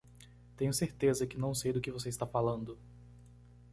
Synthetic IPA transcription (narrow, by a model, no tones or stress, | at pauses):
t̪ẽɲʊseɾt̪ezɐkɪnɐ̃w̃sejd̪ʊkɪvos̬eɪst̪afalɐ̃nd̪ʊ